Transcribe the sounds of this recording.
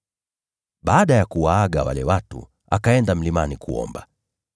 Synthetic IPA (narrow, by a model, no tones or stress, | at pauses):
ɓaːɗajakuwaaɠawa̰lɛwatṵ | a̰kaɛndam̩limanikṵɔ̰mba